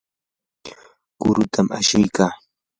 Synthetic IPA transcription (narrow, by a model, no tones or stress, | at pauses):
kʊɾʊt̪ʰama̰ʃɪjkaː